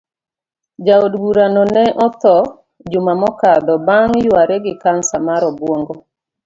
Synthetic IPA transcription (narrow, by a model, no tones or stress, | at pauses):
d͡ʒaodɡuɾanɔnɛʔɔt̪ɔ | d͡ʒʊmamɔkad̪ɔbaŋjwaɾɛɡɪkansamaɾɔbwoŋɡɔ